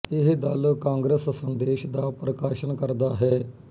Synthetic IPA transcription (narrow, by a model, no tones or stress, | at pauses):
ɪɦd̪əlkãːŋɡɾəssənd̪eːʃd̪aːpɾəkaːʃənkəɾd̪aːɦɛː